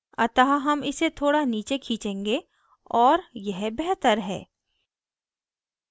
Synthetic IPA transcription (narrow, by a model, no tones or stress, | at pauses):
ɐt̪aɦɦɐmɪset̪ʰoːɽaniːt͡ʃekʰĩːt͡ʃẽːŋɡe | ɔːɾjɛɦbɛɦt̪əɾɦɛ̰ː